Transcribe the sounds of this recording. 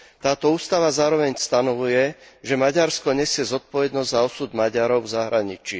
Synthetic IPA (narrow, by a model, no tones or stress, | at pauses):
t̪aːt̪ɔuːst̪aʋazaːɾɔʋɛɲst̪anɔʋujɛʒɛmaɟaɾskɔɲɛsɪɛzɔt̪̚pɔʋɛd̪nɔzzaɔsuːd̪maɟaɾɔʊvzaɦɾaɲit͡ʃi